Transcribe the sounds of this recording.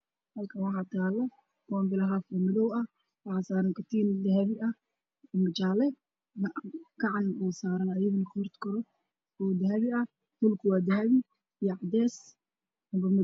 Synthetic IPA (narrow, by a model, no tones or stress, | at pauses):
hɐlkʰɐwɑħɑːt̪ʰaːlɐ | kɔːmbɪlɐɦafɐmɪðɔwɐ | wɑħɑːsaːɾɐŋkɐt̪ʰiːnd̪ɐhɐβɪʔɐ | ɔmɪt͡ʃaːlɛ | ɡ̥ɑʕɑnbuːsaːɾɐnɐjɐɣɐnɐkʰʊrt̪kʰɐɾɔ | ɔːd̪ɐɦɐβɪɐ | mʊlkʰwaːd̪ɐɦɐβɪ | jɔʕɑd̪ɛːs | ɐmbɐmɪ